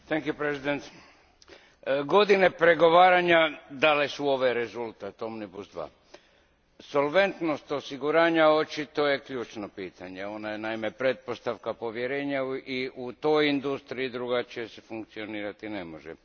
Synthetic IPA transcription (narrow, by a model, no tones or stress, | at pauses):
t̪eŋkjupɾezid̪ent̪ | ɡo̞d̪ine̞pɾe̞ɡo̞ʋaːɾaɲad̪alesuo̞ʋeɾe̞zulˠt̪at̪o̞mnibusd̪ʋa̰ː | solʋe̞nt̪no̞st̪o̞siɡuɾaːɲao̞t͡ʃit̪o̞je̞kʎuːt͡ʃnopiːt̪aɲe̞o̞najenaime̞pɾe̞t̪̚po̞st̪aʋkapo̞ʋje̞ɾe̞ːɲaiut̪o̞jind̪ust̪ɾiːd̪ɾuɡat͡ʃijesefuŋkt̪sio̞niːɾat̪inemo̞̰ʒḛ